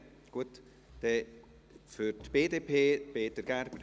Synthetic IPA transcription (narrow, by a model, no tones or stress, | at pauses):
ɡ̥uət | d̥ɛ | fʏɾtb̥eːdeːpʰeːpeːtəɾɡ̥ærbə